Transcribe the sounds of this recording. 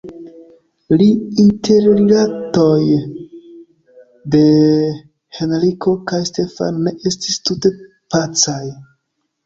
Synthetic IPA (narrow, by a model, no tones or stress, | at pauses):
liintʰe̞ɾɾilato̞j | de̞ | henɾikʰo̞kajste̞fa̰nːe̞ʔe̞stistute̞ | pat͡saj